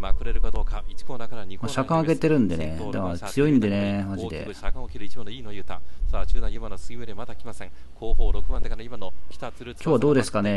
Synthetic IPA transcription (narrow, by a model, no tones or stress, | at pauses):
makɯ̟ɾeɾɯ̟kad̪oːkait͡ɕi̥koːnakaɾaɲimaɕakãɰ̃aɡe̞t̪e̞ɾɯ̟̃nd̪e̞ned̪emat͡sɨjo̞ĩnd̪e̞ne̞maʑid̪e̞̰ | akãokʲiɾɯit͡ɕiainojɯːt̪ãsaːt͡ɕɨːd̪ãjɯmanosɨɡʲibed̪emat̪akʲimasẽŋkʰoːboːɾokɯ̟mãnd̪ekaaimanokʲi̥t̪aɾkʲo̞ːβad̪o̞ːd̪e̞sɨ̥kane̞